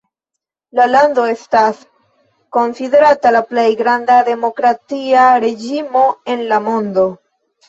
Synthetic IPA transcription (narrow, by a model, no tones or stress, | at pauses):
lalando̞e̞stas | ko̞nside̞ɾatalaplejɡɾandade̞mo̞kɾatiaɾe̞d͡ʒimo̞e̞nlamo̞ndo̞